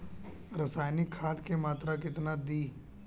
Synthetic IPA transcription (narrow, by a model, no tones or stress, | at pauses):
ɾɐsaːjnikʰːaːt̪kemaːt̪ɾakɪt̪nad̪iː